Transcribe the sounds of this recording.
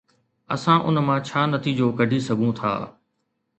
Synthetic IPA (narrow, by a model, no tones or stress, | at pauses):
ɐ̰sãʔʊnmãːt͡ɕʰaːnɐt̪ʰiːd͡ʑoːkɐɖʱisɐɡʱũt̪ʰa̰ː